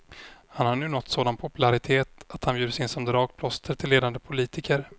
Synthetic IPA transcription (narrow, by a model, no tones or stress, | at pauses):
hanhaɾɳʉ̟ːnɔt̪ːsoːd̪anpʰʊpɵlaɾɪt̪ʰeːt̪at̪hanbjʉːd̪əsɪnsɔmd̪ɾɑːk̚pʰlɔst̪ʰəɾʈ̪ʰɪlːeːd̪and̪əpʰʊliːt̪ɪkəɾ